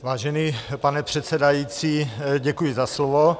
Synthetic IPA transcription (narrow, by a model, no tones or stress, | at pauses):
vaːʒɛniːpanɛpr̝̥ɛt̪sɛdajiːt͡siːɟɛkujɪzaslovo